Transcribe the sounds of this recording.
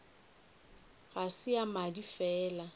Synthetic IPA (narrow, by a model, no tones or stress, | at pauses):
ɣasɪamadifɛːla